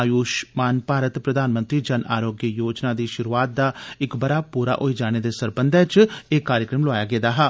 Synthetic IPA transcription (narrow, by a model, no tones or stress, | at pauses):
aːjuːʃmaːnpaːɾət̪pɾəd̪aːnmə̃nt̪ɾiːd͡ʒənʔa̰ːɾoːɡjəjoːd͡ʒnaːd̪iːʃʊɾuaːt̪̚d̪aːɪkbəɾaːpuːɾa̰ːʔoːid͡ʒaːɽ̃eːd̪eːsəɾbənd̪ɛ̃t͡ʃeːkːaːɾjəkɾəmlʊaːjaːɡɛːd̪aːɦɛː